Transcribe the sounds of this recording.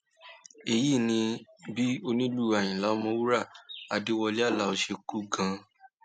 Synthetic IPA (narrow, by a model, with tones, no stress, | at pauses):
e˧˨ji˦˨nĩ˧bi˦o˧nĩ˦lu˦˨a˨j̃ĩ˨la˨˦ɔ˧˦mɔ̃˧˦wu˦ɾa˦˨a˧de˦wɔ˧li˦a˦˨la˨˧o˧ʃe˧ku˦ɡã˧˦